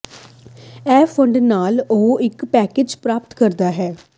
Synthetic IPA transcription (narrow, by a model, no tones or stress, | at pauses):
ɛːpʰəɳɖnaːloɪkpɛːkeːd͡ʒpɾaːpt̪kəɾd̪aːɦɛː